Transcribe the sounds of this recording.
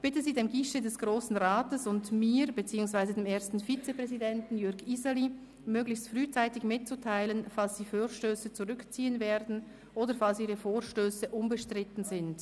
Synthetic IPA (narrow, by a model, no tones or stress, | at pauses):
b̥ɪtəziːdeːmɡɪʃədɛsɡ̥ʁoːsn̩ʁaːtəsʊndmiːʁb̥ət͡siːʊŋsv̥aɪzədeːmeːɐstn̩fit͡səpʁ̥ɛzidɛntn̩jʏɐɡizali | møːɡlɪçstfʁyːt͡saɪtɪçmɪt̚t͡sutʰaɪlənfalsd̥iːfoːʃtøːsət͡suʁʏkt͡siːənveːdn̩ | ʔoːdəfalsiːʁəfoːʁʃtøːsəʔʊmbəʃtʁ̥ɪtn̩zɪnt